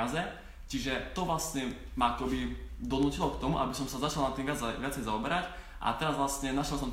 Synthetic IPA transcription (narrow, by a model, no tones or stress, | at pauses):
azɛ | t͡ʃiʒɛt̪ɔʋlasɲɛmaakɔbid̪ɔnuːcilɔkt̪ɔmuʔa̰bisɔmsazat͡ʃalˠnat̪ːinʋɪaʋɪat͡sɛjzaɔbɛɾac | ʔa̰t̪ɛɾazʋlast̪ɲɛnaʃɛlˠsɔmt̪